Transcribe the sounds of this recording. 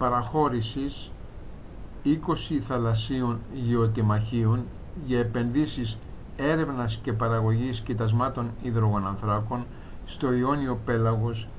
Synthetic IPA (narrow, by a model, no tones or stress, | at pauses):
pɐɾɐxo̞ɾisis | iko̞siθɐlɐsionʝio̞t̪imɐçiun | ʝɐepe̞nðisis | e̞ɾe̞vnɐsce̞pɐɾɐɣo̞ʝiscit̪ɐzmɐt̪o̞niðɾo̞ɣo̞nɐnθɾɐko̞n | st̪o̞io̞nio̞pe̞lɐɣo̞s